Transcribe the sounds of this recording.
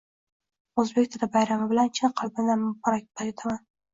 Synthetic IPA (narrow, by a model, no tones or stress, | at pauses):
ɵzbekʲt̪ʰɪɾabajɾamɪbɪlant͡ʃʰɪnqʰɑlˠbɪnd̪anmbɒɾak̚ʲt̪aot̪ʰaman